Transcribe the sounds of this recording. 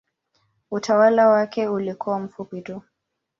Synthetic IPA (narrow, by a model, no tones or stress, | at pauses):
utʰawalawakɛulikuwam̩fupitu